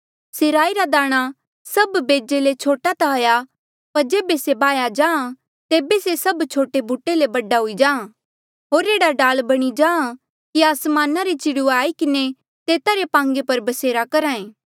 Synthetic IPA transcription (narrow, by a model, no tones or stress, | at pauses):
seːɾaːiɾad̪aːɽ̃a | sɐbbeːd͡ʒelet͡ʃʰoːʈat̪aɦɐja | pɐɾd͡ʒeːbesebaːjad͡ʒãːã | t̪eːbesesɐbt͡ʃʰoːʈebʱuːʈelebɐɖaɦʊid͡ʒaːã | ɦoːɾeːɽaɖaːlbɐɽ̃id͡ʒãːã | kiaːsmaːnaɾet͡ʃɪɽuaːikɪne | t̪eːt̪aɾepãːŋɡepɐɾbɐseːɾakɐɾaːẽː